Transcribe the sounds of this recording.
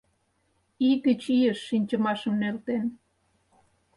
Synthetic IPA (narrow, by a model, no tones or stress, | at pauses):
iɣət͡ɕijəʃːinʲt͡ɕəmɑʃəmnelt̪en